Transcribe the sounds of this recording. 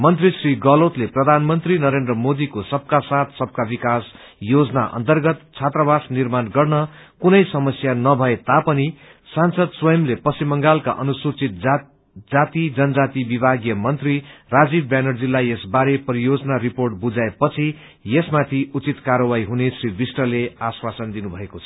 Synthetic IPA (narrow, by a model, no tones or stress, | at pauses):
mʌnt̪risriɡʌlot̪leprʌd̪ʱanmʌnt̪rinʌɾend̪rʌmod̪ikosʌb̚kasat̪ʰsʌb̚kabikas | jod͡zʌna̰ʔʌ̰nt̪ʌrɡʌt̪t͡sʰat̪rʌbasnirmanɡʌrnʌ | kunʌjsʌmʌsjanʌbʱʌet̪apʌni | sansʌd̪swʌjʌmlepʌsimʌŋɡalka̰ʔʌnusut͡sit̪̚ | d͡zat̪id͡zʌnʌd͡zat̪ibibʱaɡjʌmʌnt̪rirad͡zibbanʌrd͡zilːajesbaɾepʌɾijod͡zʌnaɾiporʈ̚bud͡zaepʌt͡sʰi | jesmat̪ʰiut͡sit̪kaɾʌwajɦunesribisʈʌleaswasʌnd̪inubʱʌekot͡sʰʌ̥